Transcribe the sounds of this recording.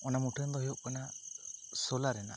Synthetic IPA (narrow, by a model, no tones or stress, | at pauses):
ɔnamuʈɛnd̪ɔɦɛɔʔkɔna | sɔlaɾɛna̰